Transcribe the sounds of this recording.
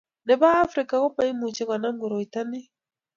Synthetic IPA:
nɛ˨βaː˦fɾi˨ka˨ɣɔ˦pa˦i˦mu˨t͡ʃɛ˦ŋwa˨na˦ŋɡu˨ɾɔ˨i˨ta˦ni˦

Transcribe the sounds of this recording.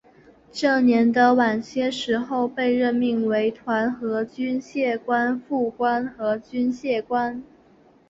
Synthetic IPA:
ʈ͡ʂɤ˥˩njɛ˧˥nd̪ə˧wa˨˩nɕjɛ˥ʂɻ̩˧˥xo˥˧ʊpe˥˧ɪɻə˥˧nmi˥˩ŋwe˧˥ɪt̪ʰwa˧˥nxɤ˧˥t͡ɕy˥nɕjɛ˥˩kwa˥nfu˥˩kwa˥nxɤ˧˥t͡ɕy˥nɕjɛ˥˩kwa˥n

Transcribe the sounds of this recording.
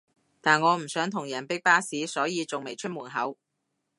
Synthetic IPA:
t̪aː˨nŋɔː˨˧m̩˨˩sœː˨˥ŋt̪ʰʊ˨˩ŋjɐ˨˩npɪ˥k̚paː˥siː˨˥sɔː˨˥jiː˨˧t͡sʊ˨ŋme˨˩jt͡ʃʰɵ˥t̚muː˨˩nɦɐ˨˥w

